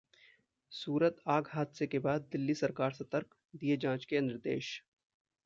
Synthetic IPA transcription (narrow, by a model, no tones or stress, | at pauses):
suːɾət̪aːɡɦaːd̪sekebaːd̪̚ːɪlːisɐɾkaːɾsɐt̪əɾk | d̪ied͡ʒãːt͡ʃkenɪɾd̪ḛːʃ